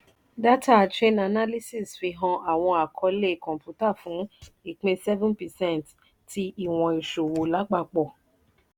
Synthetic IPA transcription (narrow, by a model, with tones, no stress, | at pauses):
da˦ta˦˨tɾẽ˦na˨na˦li˦si˦˨sfi˧ɦɔ̃˧ʔa˨w̃ɔ̃˧a˨kʰɔ˧le˦˨kɔ̃˨pju˦ta˦˨fũ˨˦i˦˨k͡pẽ˧sɛ˦vũ˦npɛ˨sɛ̃˦nt | ti˧i˦˨w̃ɔ̃˨i˨ʃo˨wo˨la˨˦ɡ͡ba˧k͡pɔ˦˨